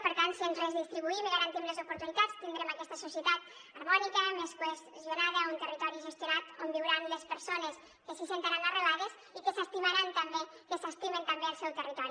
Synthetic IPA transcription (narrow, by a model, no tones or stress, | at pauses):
pəɾt̪ansienzrezðist̪ɾiβuimiɣaɾant̪imlezupuɾt̪unit̪at͡st̪ind̪ɾemakɛst̪əsusiət̪at̪ | əɾmɔnikəmeskwesjonaðəunt̪ərit̪ɔɾiʒəst̪jonat̪ombiwɾanlespəɾsones | kəsisent̪aɾanəreβaðəz | ikəsəst̪imaɾant̪ambe | kəsəst̪iment̪ambealˠsɛwt̪ərit̪ɔɾi